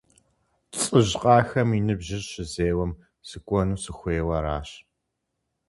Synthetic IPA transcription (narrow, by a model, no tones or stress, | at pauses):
t͡sʼɨʑqʼɑːxɐminɨbʑɪrɕɪzeːwɐm | sɨkʷʼɔnuːsɨxʷeːwɐɾaːɕ